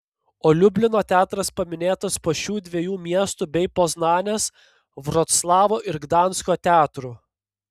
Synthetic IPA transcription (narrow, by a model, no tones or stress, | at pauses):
oːlʲʊbʲlʲɪnoːt̪ʲæːt̪ɾɐspɐmʲɪnʲeːt̪ɐspoːʃʲuːd̪ʲʋʲiɛjuːmʲiɛst̪uːbʲɛɪpoznɑːnʲeːs | ʋɾɔt̪slˠɑːʋoːʔɪɾɡd̪ɑˑnskoːt̪ʲæːt̪ɾu